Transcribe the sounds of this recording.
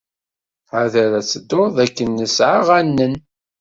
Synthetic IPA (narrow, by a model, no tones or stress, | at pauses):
ʕaðæɾæt͡sːəd̪ːoɾðˤækːənːəsʕaʁænːən